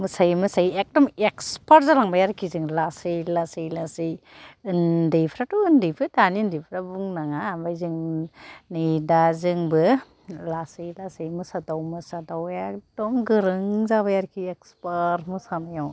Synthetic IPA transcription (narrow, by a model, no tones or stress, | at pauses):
mɯsajmɯsajek̚dɔmekspaɾt̚zalaŋbajaɾkʰizɯŋlasɯjlasijlasɯjɯndijpʰɾatundɯpʰɯdanindipʰɾabuŋnaŋabajzɯŋ | nidazɯŋbɯ | lasɯjlasɯjmɯsadawmɯsadawekdɔmɡɯɾɯŋzaβajaɾkʰiekspaɾmɯsanajaw